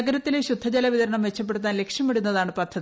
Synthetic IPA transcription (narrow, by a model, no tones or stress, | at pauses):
ɐɡɐɾɐt̪ːileɕud̪ʱːɐd͡ʑɐlɐʋiðɐɾɐɳɐmʋe̞t͡ɕːɐp̬ːe̞ɽut̪ːaːnle̞kʂjɐmeɽunːɐðaːɳɨpɐd̪ʱːɐði